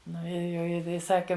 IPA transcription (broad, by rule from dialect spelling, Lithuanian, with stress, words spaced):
ˈnʊ ɪr jɛʊ ˈjɪ ɪ ˈsɑːkʲɪ